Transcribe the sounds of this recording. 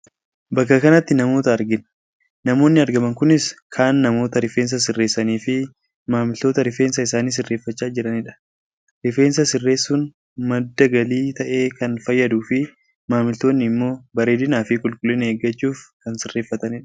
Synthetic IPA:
bɐkːɐkɐnɐt̪ːɪnɐmo̞ːt̪ɐːɾɡɪn | nɐmo̞ːnːɪɐɾɡɐmɐŋkʊnɪskʰaːnːɐmo̞ːt̪ɐɾɪfe̞ːns̬ɐsɪrːe̞ːsːɐniːfɪ | maːmɪlt̪o̞ːt̪ɐɾɪfe̞ːnsɐɪsaːniːs̬ɪrːe̞ːfːɐt͡ʃːaːd͡ʒɪɾɐnɪᶑɐ̥ | ɾɪfe̞ːnsɐsɪrːe̞ːsːuːn | mɐd̪ːɐɡɐliːt̪ɐʔeːkɐnfɐjːɐd̪uːfɪ | maːmɪlt̪o̞ːnːɪːmːo̞ːbɐɾe̞ːd̪ɪnaːfɪkʼʊlkʼʊlːɪneːɡːɐt͡ʃːuːfkɐnsɪrːe̞ːfːɐt̪ɐnɪᶑɐ̥

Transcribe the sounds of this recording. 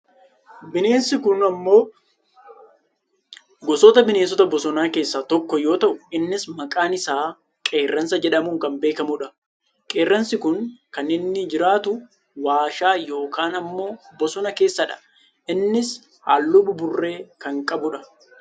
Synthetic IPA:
bɪne̞ːnsɪkʊnɐmːo̞ː | ɡɔsɔt̪ɐbɪne̞ːns̬ɔt̪ɐbɔsɔnaːke̞ːsːɐt̪ɔkːɔjo̞ːt̪ɐʔʊɪnːɪsmɐkʼaːnɪsaː | kʼeːrːɐnsɐd͡ʒɛᶑɐmuːŋkɐmbe̞ːkɐmʊᶑɐ | kʼe̞ːrːɐnsɪkʊŋkɐnɪnːɪd͡ʒɪɾaːt̪ʊ | waːʃaːjo̞ːkaːnɐmːo̞ːbɔsɔnɐke̞ːsːɐᶑɐ̥ | ɪnːɪs | ha̰ːlːʊbʊbʊrːe̞ːkɐŋkʼɐbʊᶑɐ

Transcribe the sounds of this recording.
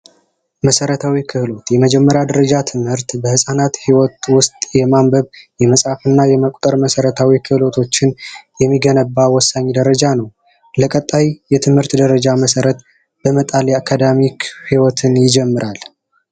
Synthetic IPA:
məsəɾət̪ʰawikʰɨhlo̞t̪jɛməd͡ʒɛmːəɾjad̪əɾəd͡ʒat̪ʰɨmhɨɾt̪bəhɨsʼanat̪hiwɔt̪wʊst̪ʼjɛmambəβjɛməsʼhafɨnːajɛməkʼt̪ʼəɾməsəɾət̪ʰawikʰɨhlo̞t̪ʰo̞t͡ʃːɪnjɛmːiɡənəbːawɔsːaɲːd̪əɾəd͡ʒanəw | ləkʼət̪ʼːajjɛt̪ʰɨmhɨɾt̪d̪əɾəd͡ʒaməsəɾət̪ | bəmət̪ʼaljɛakʰːad̪amikʰhiwɔt̪ʰɨnjɪd͡ʒɛmːɨɾʔal

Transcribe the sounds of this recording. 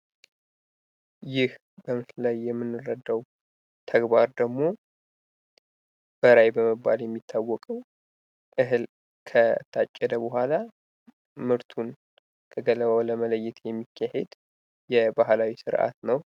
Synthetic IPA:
jɪh | bəmɨt̪lajːɛmːɨnːɨrːəd̪ːəw | t̪ʰəɡbaɾd̪əɡmo̞ | b̥əɾajbəməbːaljɛmːit̪ʰːawːɔkʼəw | ʔɨhɨl | kʰət̪ʰat͡ʃʼːɛd̪əbəhʷala | mɨɾt̪ʰun | t̪ʰəɡələβəwləmələjːɛt̪jɛmːikʰːahed̪ | jɛbahlawisɨɾʔa̰t̪nəw

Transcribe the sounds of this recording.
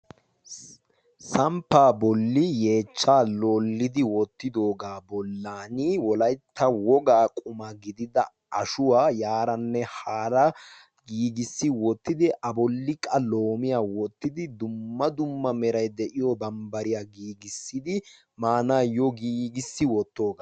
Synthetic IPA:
sɐmpːaːbɔlːɪje̞ːt͡ʃːaːlo̞ːlːɪd̪ɪwɔt̪ːɪd̪o̞ːɡaːbɔlːaːnɪwɔlɐjt̪ʰːɐwɔɡaːkʼʊmɐɡɪd̪ɪd̪ɐ | ʔɐʃʊwaːjaːɾɐnːɛhaːɾɐ | ɡiːɡɪsːɪwɔt̪ːɪd̪ɪʔɐbɔlːɪkʼːɐlo̞ːmɪjaːwɔt̪ːɪd̪ɪd̪ʊmːɐd̪ʊmːɐmɛɾɐjd̪ɛʔɪjɔbɐmbɐɾɪjaːɡiːɡɪsːɪd̪ɪ | maːnaːjɔɡiːɡɪsːɪwɔt̪ːo̞ːɡa

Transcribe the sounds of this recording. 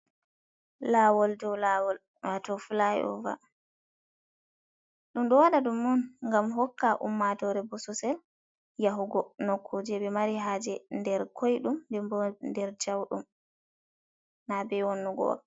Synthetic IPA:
laːwɔldɔwlawɔl | watɔfulajɛ̰ʔɔ̰va̰ | ɗumɗɔwaɗadumːunŋɡamɦɔkːaʔumːatɔɾɛbɔsɔsɛl | jaɦuɡɔnɔkʰːod͡ʒɛbɛmaɾiɦaːd͡ʒɛndɛɾkʰojɗumndɛbɔndɛɾt͡ʃawɗum | nabɛwɔnːuɡɔ̰wa̰

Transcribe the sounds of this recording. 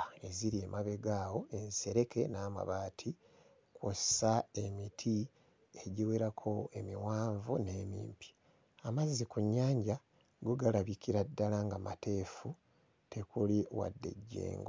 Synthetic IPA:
e̞ziɾiemaβe̞ɡaːwo̞e̞nseɾe̞ke̞naːma̰βaːtʰi | kwosae̞mitʰi | e̞ɟiweɾakʰo̞e̞miwaːɱvune̞ːmḭːmpi̥ | amazːikuɲːaːɲɟa | ɡuɡalaβikiɾadːalaŋɡamate̞ːfu | te̞kuliwa̰dːe̞̰ɟːḛːŋɡo

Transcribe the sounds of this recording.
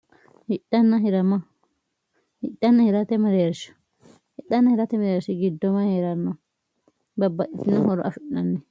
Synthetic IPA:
hɪᶑɐnːɐɦɪɾɐmɐ | hɪɗɐnːɐhɪɾat̪ɛmɐɾeːɾʃɐ̥ | hɪɗːɐnːɐhɪɾat̪ɛmɐɾeːɾʃɪɡɪd̪ːɔmaheːɾɐnːɔ | bɐbːɐʔɪt̪ɪnːɐhɔɾɔ̰ʔɐfʊʔːɐnːɛ

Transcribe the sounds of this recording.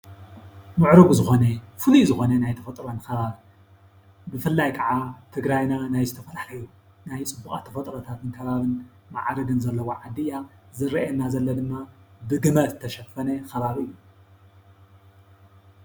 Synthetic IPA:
mɨʕɾɨβuzɨxo̞nefɨlujzɨxo̞nɐnajt̪ʰɐfɐt̪ʼɾonxɐβaβ | bɨfɨlːajkʰɐʕat̪ʰɨɡɾajnanajzɨt̪ʰɐfɐlaħlɐju | najt͡sʼɨbːuχʼa̰t̪ʰɐfɐt̪ʼɾot̪ʰat̪ɨnkʰɐβaβɨn | ma̰ʕɾɨɡɨnzɐlːɐwoʕad̪ɨjazɨɾɐʔɛnːazɐlːɐd̪ɨmːabɨɡɨmɐt̪t̪ʰːɐʃɐfɐnɐxɐβaβɨjːu

